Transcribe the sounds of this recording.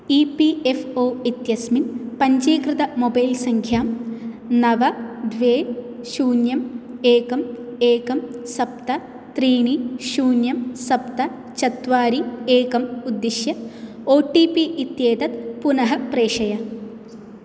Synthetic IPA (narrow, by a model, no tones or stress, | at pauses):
ipiefoːit̪jɐsminpɐɲd͡ʒiːkɾɨt̪ɐmobɐjlsɐŋkʰjaːm | nɐʋɐd̪ʋeː | ʃuːnjɐmeːkɐmeːkɐmsɐp̚t̪ɐ | t̪ɾiːɳiʃuːnjɐmsɐpt̪ɐ | t͡ʃɐt̪ʋaːɾieːkɐmud̪ːiʃjɐoːʈipiʔit̪jeːt̪ɐt̪punɐɦɐpɾeːʂɐjɐ